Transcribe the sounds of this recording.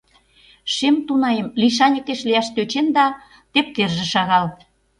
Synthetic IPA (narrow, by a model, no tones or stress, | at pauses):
ʃemt̪unɑemliʃ̬ɑnʲekeʃliɑʃt̪øt͡ɕend̪ɑ | t̪ep̚t̪erʒĕʃɑɣɑl